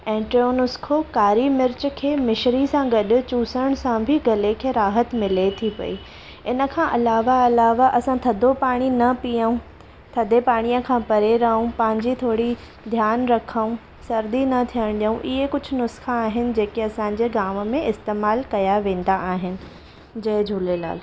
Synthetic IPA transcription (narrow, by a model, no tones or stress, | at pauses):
ɛ̃ːʈɾionʊskʰokaːɾimɪɾt͡ɕkʰeːmɪʃɾisãɡɐɗʊ̆t͡ɕuːsəɽ̃sãbʱɪɡɐlekʰeːɾaːɦət̪mɪlet̪ʰipɐ̰iː | ɪnə̆kʰãːʔɐlaːʋaɐlaːʋaʔɐsãt̪ʰɐd̪ʱopaːɽ̃inɐpijəũ | t̪ʰɐd̪ʱepaːɽ̃ijə̃kʰãːpɐɾeɾɐɦũpɐ̃ɦɪ̃ɲd͡ʑit̪ʰoːɽi | d̪ʱjaːnɾɐkʰəũ | sɐɾd̪inɐt̪ʰijəɽ̃ɗɐũʔɪɦekʊd͡ʑʱʊ̆nʊsxaːɦɪnɪ̆d͡ʑeːkeɐsãːɲ̆d͡ʑeːɡaːmmẽɪst̪eːmaːlkɐjaʋẽːn̆d̪aʔaːɦɪnɪ̆ | d͡ʑɐɦd͡ʑʱuːlela̰ːl